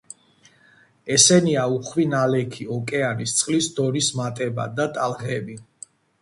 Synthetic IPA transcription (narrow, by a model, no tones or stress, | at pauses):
ɛsɛniauχwinalɛkʰiɔkʼɛanist̪sʼqʼlisd̪ɔɾismat̪ʼɛba̰d̪at̪ʼalˠʁɛbi